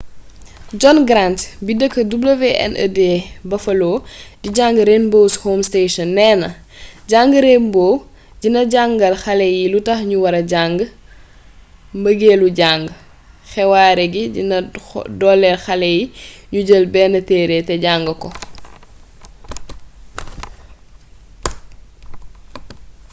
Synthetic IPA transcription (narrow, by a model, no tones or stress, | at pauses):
d͡ʒɔnɡɾantbidəkːədublɐvɛʔɐ̰nə̰dɛːbɐfɐlɔːdiɟaŋɡɾenbowshoːmsteʃɔnːɛːnɐ | ɟaŋɡəɾeːmbɔː | ɟinɐɟaŋɡɐlxɐlɛjilutɐxɲuwɐɾɐɟaŋɡ | mbəɡeːluɟaŋɡ | xɛwaːɾɛɡiɟinɐdɔlːɛlxɐlɛjiɲuɟəlbɛnɐtɛːɾetɛɟaŋɡəkɔ